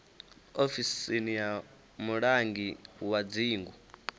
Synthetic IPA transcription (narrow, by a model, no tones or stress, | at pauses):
ofisinija | muɺaŋɡiwad͡ziːŋɡu